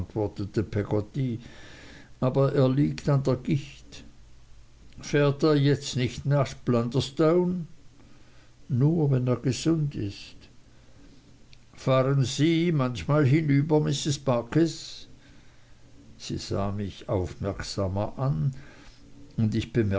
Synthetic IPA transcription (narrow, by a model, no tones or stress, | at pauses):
ntv̥ɔɐtətəpʰɛɡotiː | ʔaːbɐʔeːɐliːktandeːɐɡ̥ɪçt | fɛːɐteːɐjɛt͡stnɪçtnaχb̥landəstoʊn | uːɐvɛneːɐɡ̥əz̥ʊndɪ̰st | faːʁənziːmançmaːlɦɪnyːbɐmɪsɪsb̥aːkɛs | z̥ḭːz̥a̰ːmɪçaʊfmɛɐksaːmɐʔan | ʊndɪçb̥əmɛ